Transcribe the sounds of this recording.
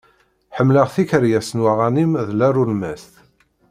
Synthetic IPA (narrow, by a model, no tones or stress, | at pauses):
ħəmːləʁθiçəɾjæsənwaʁanimðlærulmæ̰sθ